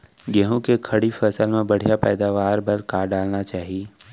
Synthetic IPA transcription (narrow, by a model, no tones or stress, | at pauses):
ɡɛɦõkekʰɐɽifʰəsəlmẽbɐɽ̤ijapɛːd̪aːʋaːɾbɐlkaːɾɖaːlnat͡ʃaːɦieː